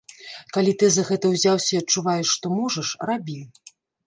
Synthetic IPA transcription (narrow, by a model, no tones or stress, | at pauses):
kalʲit̪ɨzɐɣɛt̪ɐwzʲawsʲɐɐt͡ʂːuvajɛʂːt̪ɔmɔʐɐʂrabʲiw